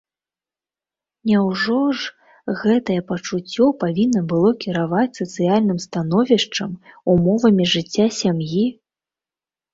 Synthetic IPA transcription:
nʲɛwʐɔʐ | ɣɛt̪ɐjɛpɐt͡ʂut͡sʲːɔpavʲinːɐbɨlˠɔkʲiɾavat͡sʲsɐt̪sɨjalʲnɨmst̪anɔvʲiʂt͡ʂɐmumɔvɐmʲiʐɨt͡sʲːasʲamji

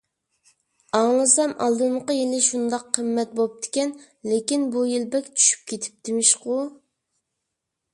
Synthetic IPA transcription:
ɑŋlˠɨsɑmʔɑ̰lˠd̪ɨmqəjilɪʃund̪ɑqʰːəmːɛt̪̚bop̚d̪ɪ̥kʲɛn | lekʲinbujilbɛkʲt͡ʃʰy̥ʃy̥p̚kʲʰet̪ʰɪ̥p̚d̪ɪmɪʃqu

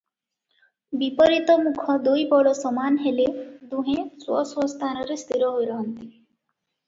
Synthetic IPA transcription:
bipɔɾit̪ɔmukʰɔd̪ujbɔɽɔsɔmanɦeled̪uɦẽswɔswɔst̪ʰanɔɾest̪ʰiɾɔɦojɾɔɦɔnt̪i

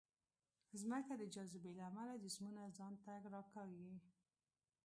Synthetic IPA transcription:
zməkad̪əd͡ʒazɪbelaːmalad̪əsmunazɑnt̪aɡɾɑkɑɡi

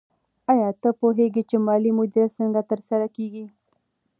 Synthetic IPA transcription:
ajɑt̪əpoɦeɡit͡ʃemɑlimʊd̪iɾasəŋɡat̪əɾsaɾakeɡi

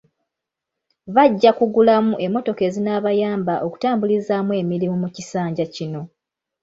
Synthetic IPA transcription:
βaɟːakuɡulamuʔe̞mːo̞to̞ke̞zinaβajaːmbaʔo̞ku̥taːmbulizaːmwe̞ːmilimumucisaːɲɟacino̞

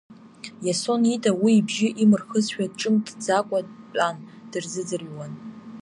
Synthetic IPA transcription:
jaso̞nitʼawiːbʒɪʔimɨrχəzʃᶣaʈ͡ʂʼɨmdd͡zakʷʼadpʼand̥ɨrzɨd͡zɨrjwan

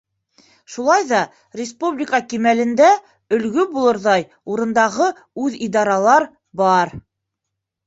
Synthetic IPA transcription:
ʃulˠɑjðɑ | rʲɪspublʲɪkəkimælɘ̆nd̪æ | ɵ̆lɡɵbulˠɤ̆ɾðɑj | uɾɤ̆nd̪ɑʁɤ | ʉðid̪ɑɾɑlˠɑɾ | bɑɾ

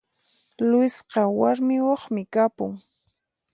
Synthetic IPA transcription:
lʊsqɑwaɾmɪwɑχmɪkapʊŋ

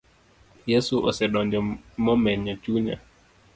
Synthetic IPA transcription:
jɛsuʔɔsɛɗɔɲd͡ʒɔmɔmɛɲɔt͡ʃuɲa̰

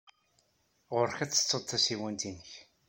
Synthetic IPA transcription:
ʁʊɾçæt͡sːə̥t͡sːəd̪ˤθæsiwænt̪inəç

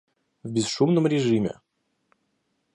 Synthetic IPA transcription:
vbʲɪzʂumnəmɾʲɪʐɨmʲɪ̰

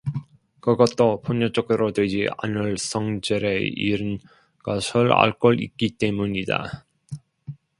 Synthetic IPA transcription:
kɯɡʌt͈opoɲːʌt͡ɕ͈ʌk̚t͈ɯɾodwe̞d͡ʑia̰nɯɭs͈ʰʌŋd͡ʑeɾeḭɾɯn | ɡʌsʰɯɾa̰ɭk͈ʌɾḭk͈it͈e̞muɲida̰

